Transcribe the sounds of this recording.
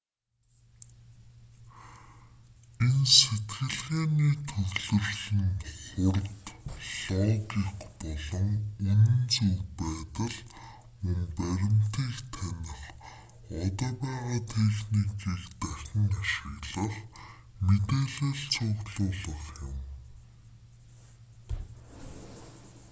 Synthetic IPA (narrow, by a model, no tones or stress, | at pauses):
enset̪ɡɘ̆ɮɣeːniːt̪ʰɵɣɮɵ̆rɮĭŋχʊrt̪ɮɔːɣiχpɔɮɞ̆ŋun̆ɵ̆nt͡sujpæːt̪ə̆ɮ | umpæɾʲɪ̆mt̪iːkt̪ʰænɪ̆χ | ɔt̪ɔːpæːʁaːt̪ʰexnikiːkt̪æxʲɪ̆ŋaʃɪ̆ɣɮə̆χ | met̪eːɮeːɮt͡sʰʊʁɮʊːɮə̆χjʊm